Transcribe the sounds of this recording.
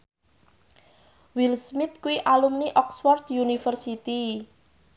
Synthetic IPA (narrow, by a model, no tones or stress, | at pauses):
wilsmit̪̚kuiʔalumniʔɔksfɔrd̪junifərsit̪i